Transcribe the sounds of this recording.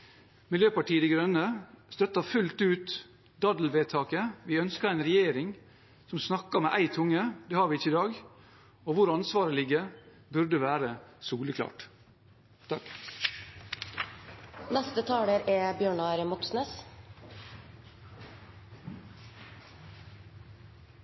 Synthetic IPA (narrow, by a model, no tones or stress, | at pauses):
mɪljøːpɑʈiːəd̪iːɡɾœnːəst̪œt̪ːɑfʉlt̪ʉːt̪ | d̪ɑd̪l̩ʋeːt̪ʰɑːkəʋiːœnskəɾæɪnɾɛjeːɾɪŋ | sɔmsnɑkːəmḛːʔæɪt̪ʰʊŋːəd̪eːhɑːɾʋɪɪçːəɪd̪ɑːɡ | oːʋʊɾɑnsʋɑːɾəlɪɡə | bʉɾd̪əʋæːɾəsuːləkʰlɑ̰ːʈ | t̪ʰɑk | nɛst̪ət̪ʰɑːləɾɛbjøːɳɑɾmɔksneːs